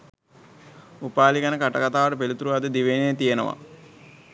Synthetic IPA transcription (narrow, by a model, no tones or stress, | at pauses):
upaːlikanəkaʈɐkat̪aːʋəʈəpelut̪uɾuaɐd̪əd̪iʋenejt̪ijenəʋa̰